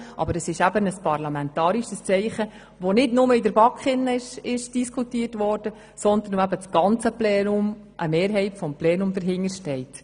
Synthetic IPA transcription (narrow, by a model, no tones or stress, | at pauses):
ʔɑ̰bəɾəsɪʃæbənəspɑrlɑmɛntɑːɾiʃəst͡sɛɪχə | ʋonɪdnʊməidəɾbɑkχɪnːəɪʃɪʃd̥iskʰutiərtʋɔːɾd̥ə | sɔnd̪ən̩oæbət͡sɡ̥ɑnt͡səplɛːnʊm | ʔəmeːɾɦɛɪtfɔmplɛːnʊmd̪əɾɦɪŋəɾʃtɛɪt